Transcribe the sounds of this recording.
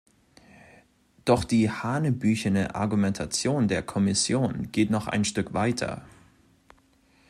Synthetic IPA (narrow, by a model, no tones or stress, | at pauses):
d̥ɔχd̥iːhaːnəbyːçənəʔa̰ɐɡumɛntʰat͡sjoːndeːɐkʰɔmɪsjoːnɡ̥eːtnɔχʔa̰ɪnʃtʏkv̥aɪtʰɐ̰